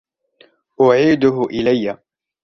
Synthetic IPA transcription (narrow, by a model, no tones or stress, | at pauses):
ʔʊʕiːd̪ʊɦʊʔɪlajːa